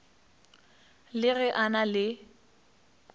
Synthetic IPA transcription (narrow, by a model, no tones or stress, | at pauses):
lɪɣɛʔanalɪ